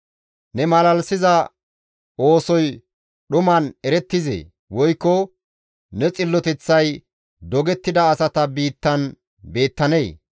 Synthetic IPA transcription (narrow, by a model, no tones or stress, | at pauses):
nɛmɐlɐlsɪzɐ | o̞ːsɔj | ɗʊmɐnɛɾɛt̪ːɪzḛː | wɔjkːɔ | nɛt͡sʼɪlːɔt̪ɛt͡sːɐj | d̪ɔɡɛt̪ːɪd̪ɐːsɐt̪ɐbiːt̪ːɐn | be̞ːt̪ːɐneː